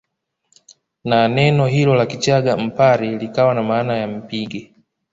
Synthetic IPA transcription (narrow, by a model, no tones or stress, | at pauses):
nanɛnɔɦilɔlakit͡ʃaɡam̩paɾilikawanamaːnajam̩piɡɛ